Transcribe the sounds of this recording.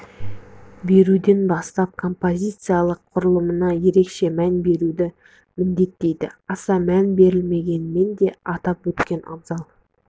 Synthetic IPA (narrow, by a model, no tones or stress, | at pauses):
be̞ɾud̪e̞nbɑst̪ɑp̚kʰo̞mpo̞zʲijt̪sɨjalˠəqʰːʊɾəlˠəmənɑje̞ɾe̞kʃe̞mænbe̞ɾud̪ɪ | mɪnd̪e̞t̪ːe̞jd̪ɪɑsɑmænbe̞ɾɪlme̞ɡʲe̞nɪme̞nd̪e̞ɑt̪ɑpwɵt̪kʲe̞nʔɑ̰bzɑlˠ